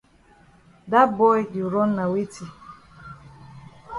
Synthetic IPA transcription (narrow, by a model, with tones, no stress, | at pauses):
da˦bɔ˦jju˨ɾɔ˦n˦na˨we˦ti˨